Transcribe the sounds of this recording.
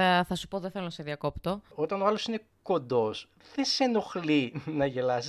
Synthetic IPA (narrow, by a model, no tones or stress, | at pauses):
θɐsu̥poðeθelonɐseðiɐko̞pt̪o̞ot̪ɐnoɐlo̞sine̞ | ko̞nd̪o̞s | ðese̞no̞xlinɐʝe̞lɐsi